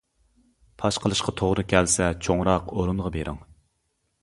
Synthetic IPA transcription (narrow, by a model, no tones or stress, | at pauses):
pʰɑʃqʰəlˠɨʃqʰɑt̪ʰoʁɾɨkʲʰɛlsɛt͡ʃʰoŋɾɑqoɾunʁɑbeɾʔɪ̰ŋ